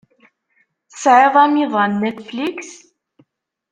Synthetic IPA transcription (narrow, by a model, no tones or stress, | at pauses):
θəsʕeðˤæmiðˤɑnːet̪fliks